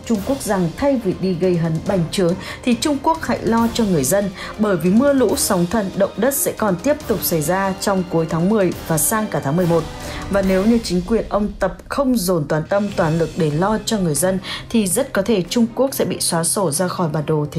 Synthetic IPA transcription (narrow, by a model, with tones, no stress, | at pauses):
t͡ɕʊ˧ŋ͡mku˦˥ək̚za˨˩ŋt̪ʰa˧jvi˨˩ɗi˧ɣə˧jɦə˨˦nɓa˨˧˩jŋ̟t͡ɕɨ˨˦əŋt̪ʰi˨˩t͡ɕʊ˧ŋ͡mku˦˥ək̚ha̰˧˥jlɔ˧t͡ɕɔ˧ŋɨ˨˩əjzə˧n | ɓəː˧˩jvi˨˩mɨ˧əlṵ˧˥sa˨˦wŋ͡mt̪ʰə˧˩nɗə̰˧˨wŋ͡mɗə˦˥t̚sɛ̰˧˥kɔ˨˩nt̪i˦˥əp̚t̪ʊ˨˩k͡p̚sa˧˩jzaː˧t͡ɕɔ˧wŋ͡mku˨˦jt̪ʰaː˨˦ŋmɨ˨˩əjvaː˨˩saː˧ŋkaː˧˩t̪ʰa˨˦m˨˩ə˩mo˨˩t̚vaː˨˩ne˨˦wɲɨ˧t͡ɕï˨˦ŋ̟kwi˨˩ənʔə˧wŋ͡mt̪ə˨˩p̚xə˧wŋ͡mzo˨˩nt̪waː˨˦nt̪ə˧mt̪waː˨˩nlɨ˨˩k̚ɗe˧˩lɔ˧t͡ɕɔ˧ŋɨ˨˩əjzə˧nt̪ʰi˨˩zə˦˥t̚kɔ˨˦t̪ʰe˧˩t͡ɕʊ˧ŋ͡mku˦˥ək̚sɛ̰˧˥ɓḭ˧˨swaː˨˦so˧˩zaː˧xɔ˧˩jɓaː˨˩ɗo˨˩t̪ʰ